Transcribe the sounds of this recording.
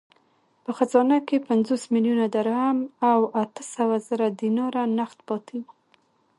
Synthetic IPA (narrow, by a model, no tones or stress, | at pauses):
pəxazɑnakepanzosmiljunad̪aɾhamawat̪əsawazəɾad̪inɑɾanaxt̪bɑt̪iw